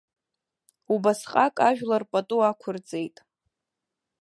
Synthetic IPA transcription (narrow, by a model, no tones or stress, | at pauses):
ubasqʼakʼaʒᶣlarpʼatʼuakʷʰʊrd͡zʼe̞jtʼ